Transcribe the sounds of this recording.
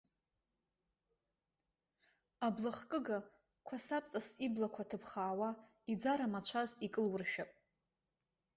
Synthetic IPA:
ablaχkʼɨɡa | kʷʰasapʼt͡sʼasiblakʷʰatʰɨpʰχaːwa | id͡zaɾamat͡ɕʷʰazikʼɨlwʊrʃᶣapʼ

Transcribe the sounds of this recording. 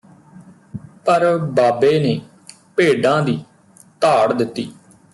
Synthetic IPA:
pəɾbaːbeːneː | peːɖãːd̪iː | t̪aːɽd̪ɪt̪ːiː

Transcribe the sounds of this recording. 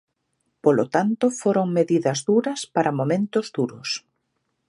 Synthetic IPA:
polot̪ant̪ʊfoɾoŋmeðiðɐzðuɾɐspaɾʔɐmomẽnt̪ʊzðuɾʊs

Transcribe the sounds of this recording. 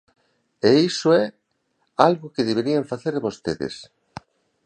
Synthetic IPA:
eisʊɛ | alɣʊkeðeβeɾiaɱfaθeɾβost̪eðḛs

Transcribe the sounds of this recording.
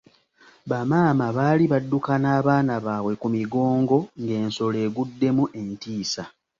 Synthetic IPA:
βamaːmaβaːliβadːukanaːβaːnaβaːβwe̞kumiɡo̞ːŋɡo̞ŋɡe̞ːnso̞le̞ːɡudːe̞muʔe̞ntiːsa

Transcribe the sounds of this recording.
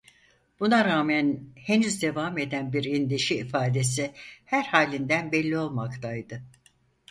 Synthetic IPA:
b̥unaɾaːmænhe̞nyzd̪e̞vaːme̞d̪ænbiɾind̪iʃiːfaːd̪e̞s̬ihæɾhaːlʲind̪ænbɛlʲːio̞lˠmakt̪ʰajd̪ɯ

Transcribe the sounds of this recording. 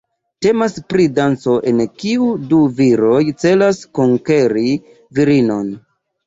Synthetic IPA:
te̞maspɾidant͡so̞ʔe̞nkiuduviɾo̞jt͡se̞laskoŋkeɾi | viɾino̞n

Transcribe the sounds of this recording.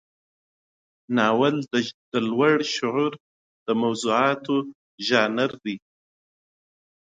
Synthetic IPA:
nɑːwald̪̥əlwaɽʃʊʕuɾ | d̪̥əmawzuɑt̪ʰo | ʒɑːnaɾd̪i

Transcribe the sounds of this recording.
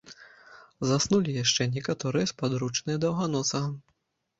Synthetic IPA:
zasnulʲijaʂt͡ʂɛnʲɛkat̪ɔɾɨjɛspad̪ɾut͡ʂnɨjɐd̪ɐwɣanɔsɐɐ

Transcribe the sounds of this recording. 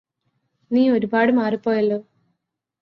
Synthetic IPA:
niːoɾubaːɽɨmaːripːo̞ːjɐlːo̞ː

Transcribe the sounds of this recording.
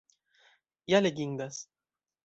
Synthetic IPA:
jaleɡʲiŋd̪as

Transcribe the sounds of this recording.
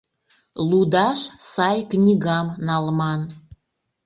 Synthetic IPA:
lud̪ɑʃsɑjknʲiɣɑmnɑlˠmɑn

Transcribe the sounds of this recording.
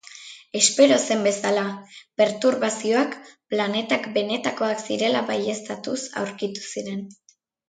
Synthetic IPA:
e̞spe̞ɾo̞se̞mbe̞salabe̞ɾt̪uɾβasio̞akplane̞t̪akbe̞ne̞t̪ako̞aksiɾe̞laβaje̞st̪at̪usa̰wɾkit̪u̥siɾe̞n

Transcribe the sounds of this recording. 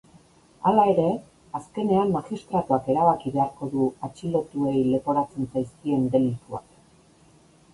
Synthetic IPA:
alae̞ɾe̞ | aske̞ne̞amːaɣist̪ɾat̪uake̞ɾaβakiβe̞aɾko̞ðuat͡ʃilo̞t̪ue̞jle̞po̞ɾat͡se̞nt͡sajskie̞nd̪e̞lit̪ua̰k

